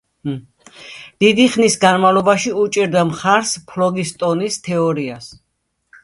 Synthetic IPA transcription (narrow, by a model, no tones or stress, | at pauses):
d̪̥id̪iχnisɡanmavlˠɔbaʃiut͡ʃʼiɾd̪amχaɾspʰlɔɡist̪ʼɔnist̪ʰɛɔɾias